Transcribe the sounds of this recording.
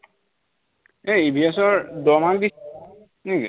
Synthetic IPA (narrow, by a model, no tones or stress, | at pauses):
eibʱiasɔɹdɔmakdi | nikḭ